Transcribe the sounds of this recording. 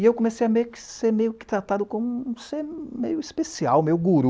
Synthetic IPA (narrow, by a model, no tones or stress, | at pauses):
ewkõmesejɐmejʊkɪ̥seɾmejʊkɪ̥t̪ɾat̪ad̪ʊkõmũũseɾmejʊispesia̰wmejʊɡuɾu